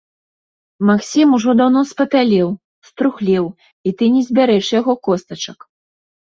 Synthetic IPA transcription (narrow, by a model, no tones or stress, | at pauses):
maksʲimuʐɔd̪awnɔspɐp̪ʲalʲɛw | st̪ɾuxlʲɛw | it̪ɨnʲɛzʲbʲaɾɛʂjaɣɔkɔst̪ɐt͡ʂɐk